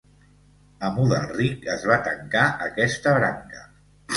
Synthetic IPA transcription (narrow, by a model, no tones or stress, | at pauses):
əmuðəlˠrikəzβat̪əŋkaʔəkɛst̪əβɾa̰ŋkə